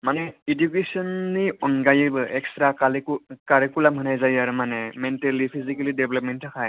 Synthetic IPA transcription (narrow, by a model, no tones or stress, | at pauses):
manɛidjukesɔnːiɔnɡajɯbɯɛkstɾakalkaɾekulamɦɯnajzajaɾmanɛmɛntelipʰizikalideblɔp̚mɛntʰːakʰaj